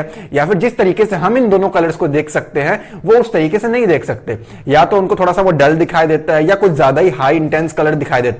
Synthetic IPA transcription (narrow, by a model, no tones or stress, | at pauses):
jaːfɪɾd͡ʒɪst̪ɐɾiːkeseɦɐmɪnd̪oːnõkɐləɾskod̪eːkʰsɐkt̪eɦɛ̃ | ʋoʊst̪ɐɾiːkesenɐɦĩd̪eːkʰsɐk̚t̪e | jaːt̪oʊnkot̪ʰoːɽasaʋoɖɐld̪ɪkʰaːid̪eːt̪aɦɛjakʊt͡ʃʰzjaːd̪aɦiɦaːiɪ̃ɳʈɛ̃ːnskɐləɾd̪ɪkʰaːid̪eːt̪a